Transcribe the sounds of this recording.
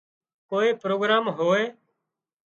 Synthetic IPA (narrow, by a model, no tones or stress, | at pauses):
koːiːpɾoːɡɾaːmɦoːeː